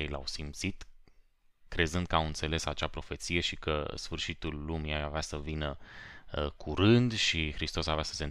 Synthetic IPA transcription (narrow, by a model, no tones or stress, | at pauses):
ejla̰wsimt̪sit̪ | kɾe̞zɨnd̪̚kəawɨnt̪se̞le̞sat͡ʃapɾo̞fe̞t̪sije̞ʃikəsfɨrʃit̪ulːumiaavasəvinəəkʰuɾɨnd̪ʃixɾist̪osavasə̥se̞n